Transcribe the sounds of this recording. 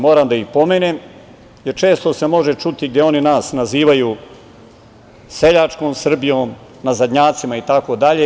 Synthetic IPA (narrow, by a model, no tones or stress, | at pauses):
mo̞ːɾamd̪aixpo̞meːnem | jeɾt͡ʃe̞ːst̪ose̞mo̞ʒet͡ʃut̪iɡ̚d̪jeo̞ninaːsnaziːʋajuː | se̞ʎat͡ʃkoːmsr̩bijoːm | nazad̪ɲaːt̪simait̪ako̞d̪aʎe